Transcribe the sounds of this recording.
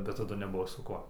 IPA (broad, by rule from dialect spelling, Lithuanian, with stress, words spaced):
bʲɛt tɐˈdʊ nʲɛˈbʊʋoː sʊ ˈkuɔ